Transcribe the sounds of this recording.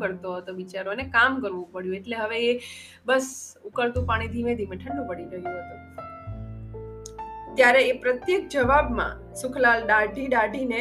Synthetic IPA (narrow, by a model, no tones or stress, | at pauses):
kəɾt̪oɦət̪oʋit͡ʃaɾonekamkəɾʋũpəɽjũeʈleɦəʋeː | bəsukəɾt̪ũpaɽ̃id̪ʱiʋẽd̪ʱimẽʈʰə̃ɳɖũpəɽiɾəɦjũɦət̪ũ | t̪jaɾeːpɾət̪jek̚d͡ʒəʋabmã̰ | sʊkʰlalɖaɖʱiɖaɖʱine